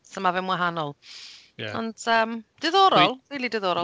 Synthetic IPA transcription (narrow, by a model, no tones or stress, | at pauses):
səmavɛmwaɦanɔlˠ | ɛɔ̰nd̥əːmd̥ɛðɔɾɔlˠriːlˠidɛðɔɾɔ